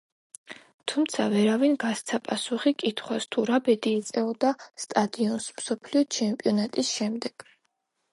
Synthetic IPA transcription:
t̪ʰumt̪sʰa̰vɛɾavinɡast̪sʰapʼasuχikʼit̪ʰχwast̪ʰuɾabɛd̪iːt̪sʼɛɔd̪ast̪ʼad̪iɔnsmsɔpʰliɔt͡ʃʰɛmpʼiɔnat̪ʼisʃɛmd̪ɛɡ̥

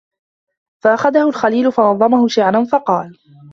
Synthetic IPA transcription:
faʔaxaðahʊlxaliːlʊfɑnɑðˤːɑmahʊʃɪʕɾanfɑqɑːl

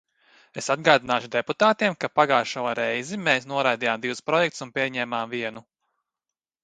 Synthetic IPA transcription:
esad̪̚ɡaːd̪inaːʃud̪eput̪aːt̪iɛmkapaɡaːʃaoɾɛjzimeːsnuɔɾajd̪iːjaːmd̪iwspɾɔjɛk̚t̪sunpʲiɛɲɛːmaːmviɛnu

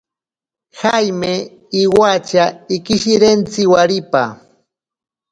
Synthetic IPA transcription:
hajme | iwat͡ʃaikɪʃiɾent͡sɪwaɾipa̰

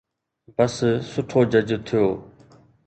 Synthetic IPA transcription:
bəssʊʈʰoːd͡ʑəd͡ʑt̪ʰɪjoː

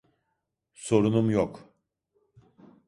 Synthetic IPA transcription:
so̞ɾunumjok

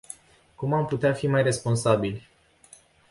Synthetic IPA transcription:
kumamput̪eafimajre̞spo̞nsabilʲ

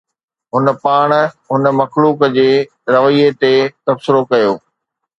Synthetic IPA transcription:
ɦʊnəpaːɽ̃ɦʊnəmɐxluːkd͡ʑeː | ɾɐʋəiːet̪et̪ɐbsɪɾokɐjoː

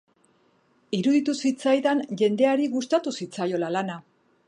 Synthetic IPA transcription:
iɾuðit̪usit͡sajðanʝe̞nd̪e̞aɾiɣust̪at̪usit͡sajo̞lalana

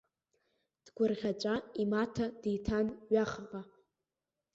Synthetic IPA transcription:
d̥ɡʷʊrʁʲat͡ʃʷʼaimatʰad̥ijtʰanɥaχʁa

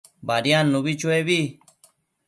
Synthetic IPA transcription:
baːɾijãːnːubiːt͡ʃoeːbiː

